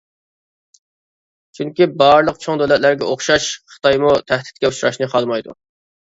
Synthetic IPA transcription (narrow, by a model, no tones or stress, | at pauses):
t͡ʃʰyŋkʲibɑɾlˠəqt͡ʃʰoŋd̪olɛt̪læɾɡʲɛʔoχʃɑʃχə̥t̪ɑjmut̪ʰæhd̪ɪ̥t̪̚kʲɛut͡ʃɾɑ̰ʃnɨqʰɑlˠmɑjd̪ṵ